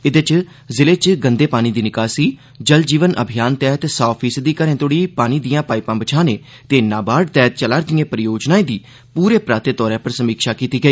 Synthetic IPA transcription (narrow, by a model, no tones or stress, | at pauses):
ɪd̪et͡ʃ | zɪleːt͡ʃɡənd̪eːpaːñiːd̪iːnɪkaːsiː | d͡ʒəld͡ʒiːʋənʔə̰bʱɪjaːnt̪ɛːɦət̪sɔːpʰiːsəd̪ːiːkəɾẽːt̪oːɽiːpaːniːd̪ijãːpaːɪpãːbət͡ʃʰaːneː | t̪eːnaːbaːɖt̪ɛːt̪̚t͡ʃəlaːɾd̪ɪːẽːpəɾəjoːd͡ʒnaːẽːd̪iː | puːɾeːpɾaːt̪eːt̪ɔːɾɛ̃ːpəɾsəmiːkʃaːkiːt̪iːɡəiː